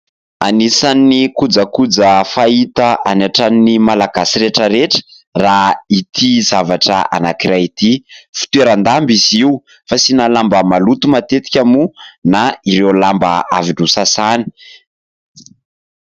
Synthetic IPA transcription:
a̰nisanːikud͡zəkud͡zəfait̪aʔanaʈ͡ʂaninimalaɡasiɾeʈ͡ʂəɾeʈ͡ʂə̥ | rait̪ʰizavaʈ͡ʂa̰a̰nakiɾait̪ifi̥t̪ueɾand̪ambiziu | fasinalambəmalut̪umat̪et̪i̥kʲamunaiɾewlambaaviɖ͡ʐusasani̥

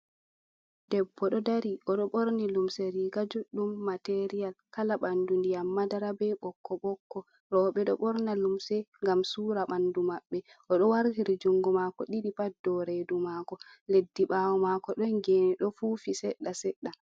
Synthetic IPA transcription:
d̥ɛbːɔɗɔdaɾiʔɔɗɔɓoɾnilumseɾiɡad͡ʒuɗːumːateɾijalkalaɓandundijamːadaɾabɛɓɔkʰːɔɓɔkːɔ | ɾɔɓɛɗɔɓɔɾnalumsɛŋɡamsuːɾaɓandumaɓːɛ | ʔɔɗɔwaɾhiɾid͡ʒuŋɡumakɔɗiɗipadɔɾedumaːkɔledːiɓawɔmaːkɔɗɔnɡeniɗɔfuːfisɛɗːasɛɗːa

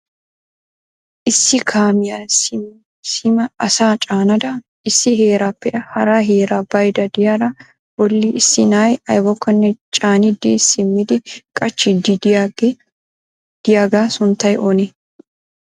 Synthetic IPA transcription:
ʔɪsːɪkʰaːmɪjasɪ | sɪmɐɐsaːt͡ʃʼaːnɐd̪ɐ | ɪsːɪɦeːɾaːpːɛʔɐhɐɾaːɦeːɾaːbɐjd̪ɐd̪ɪjaːɾɐ | wɔlːiɪsːɪnaːjɐjwɔkːɐnːɛt͡ʃʼaːnɪd̪ɪːsːɪmːɪd̪ɪkʼɐt͡ʃːɪd̪i | d̪̥ɪjaːɡaːsʊnt̪ːɐjʔonɛ

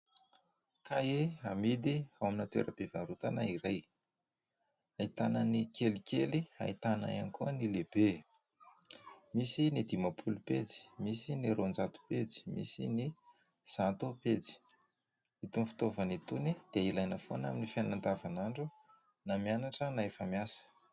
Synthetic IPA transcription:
kaeamid̪iawaminat̪wḛɾəb̥evaɾut̪anaiɾaj | ait̪anənikʰelikʲelia̰it̪ana̰ja̰nikuənileb̥e | misinid̪imapʰulupet͡si̥misiniɾond͡zat̪u̥pet͡si̥mḭsḭni | z̥ant̪upet͡si̥ | it̪unfi̥t̪ovənit̪unid̪̥eailajnəfona̰minifannand̪avanaɳɖ͡ʐu | namianaʈ͡ʂənaefamjasə̥

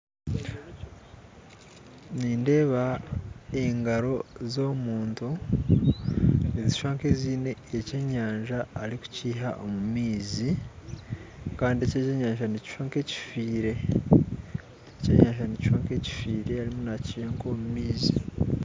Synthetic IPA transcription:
niːnde̞ːβa | eŋɡaɾo̞zo̞muːntu | niziʃwaːŋkeziːne̞ːceɲaːɲʒaːɾiku̥ciːɦaʔomumiːzi | kaːndiececeɲaːɲʒanici̥ʃwaːŋkeci̥fiːɾe̞ | eceɲaːɲʒanici̥ʃwaːŋke̞ci̥fiːɾe̞aɾimunacihaŋkoːmumiːzi

